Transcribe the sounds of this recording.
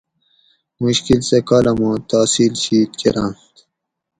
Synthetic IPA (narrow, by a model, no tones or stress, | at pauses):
muɕkilsekaːlɐmõːt̪aːsiːlɕiːt̪kḛɾã̰nt̪